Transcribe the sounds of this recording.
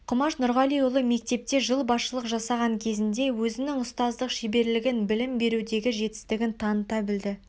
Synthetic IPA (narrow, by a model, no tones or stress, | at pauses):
qʰʊmɑʃnʊɾʁɑlijʊlˠəme̞k̚t̪e̞p̚t̪e̞ʒəlˠbɑsʃəlˠəqʒɑsɑʁɑŋkʲʰe̞zɪnd̪e̞wɵzɪnɪŋʊst̪ɑzd̪əqʃebe̞ɾlɪɡʲɪnbɪlɪmbe̞ɾud̪e̞ɡʲɪʒe̞t̪ɪ̥st̪ɪɡʲɪnt̪ʰɑnət̪ɑbɪld̪ɪ